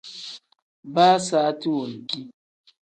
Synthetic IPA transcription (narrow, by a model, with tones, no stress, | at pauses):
baː˦saː˨˦ti˦wo˨ŋ̩˨ki˦